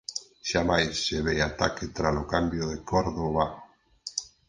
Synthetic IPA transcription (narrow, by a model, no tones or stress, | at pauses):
ʃamajsːeβejat̪aket̪ɾalokambjoðekoɾðoβa